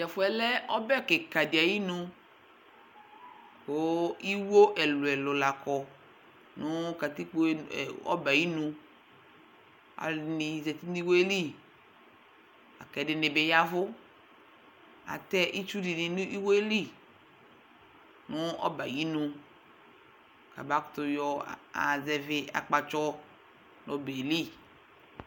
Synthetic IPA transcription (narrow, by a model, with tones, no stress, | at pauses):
d͡ʒa˨fʊ˨˦ɛ˨lɛ˦ɔ˦bɛ˦˨kɪ˨ka˨dɪ˨a˨ji˦nʊ̃˧ | ko˦i˦wo˦ʔɛ˨lʊ˨ɛ˨lʊ˨la˨kʰɔ˨ | nʊ˦ka˨t̪i˦k͡po˦˨ɔ̰˦ba˨ji˦nũ˧ | a̰˨nɪ̃˨zɛ˨t̪i˦ni˦wo˦e˦li˦˨ | a̰˨kɛ˨dɪ˨nɪ˨be˨ja˦vʊ˦ | a̰˨tɛ˦ʔi˦t͡ʃu˦di˨nɪ˨nu˦i˦we˦li˦ | nʊ˦ɔ̰˦ba˨ji˦nũ˧ | ka̰˨ba˦kʊ̥˨˦tʊ˧jɔ˧a̰˨zɛ˨vɪ˦a̰˨k͡pa˨t͡ʃɔ˦ | nɔ˨be˨li˦